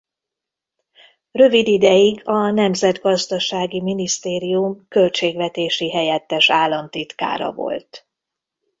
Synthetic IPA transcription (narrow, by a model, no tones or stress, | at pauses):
rø̞vid̪id̪ɛjiɡɒnɛmzɛd̪ɡɒzd̪ɒʃaːɡiminist̪eːɾijumkø̞lt͡ʃeːɡvɛt̪eːʃiɦɛjɛt̪ːɛʃaːlːɒmt̪it̪ka̰ːɾɒ̰vo̞̰lt̪